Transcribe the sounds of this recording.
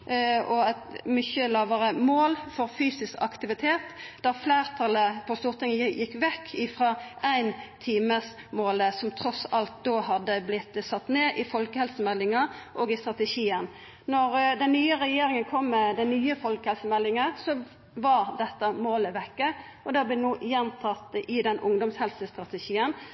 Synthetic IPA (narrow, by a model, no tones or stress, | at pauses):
ɔæt̪mʏçəlɑːʋəʁəmoːlfɔɾfyːsɪskɑ̰kt̪ɪʋɪt̪ʰeːt̪d̪̥æʁfleːʁt̪ʰɑləpʰɔst̪uːʁt̪ʰɪŋːəjɪkːʋɛkːɪfʁɑæɪnt̪ʰiːməs | moːləsɔmt̪ʰɾɔsɑlt̪̚d̪oːɦɑd̪ːəblɪt̪ːsɑt̪ːneːʔɪfɔlkəhɛlsəmɛlːɪŋɑʔɔːɡɪst̪ɾɑt̪əʃiːən | nɔʁd̪ɛnnyːəɾɛjeːɾɪŋənkʰɔmːɛd̪ænnyːəfɔlkəhɛlsəmɛlːɪŋəsɔ | ʋɑɾd̪ɛt̪ːəmoːləʋɛkːə | ɔd̪ɛɑblɛnuːjɛnt̪ʰɑt̪ːəʔɪd̪ɛnʔʊŋd̪ɔmshɛlsəst̪ʁɑt̪əʃiːən